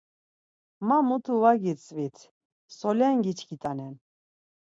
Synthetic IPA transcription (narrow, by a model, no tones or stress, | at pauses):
mamut̪ʰuvaɡit͡sʼvit̪ʰ | sɔlɛŋɡit͡ʃʰkʰit̪ʼanɛn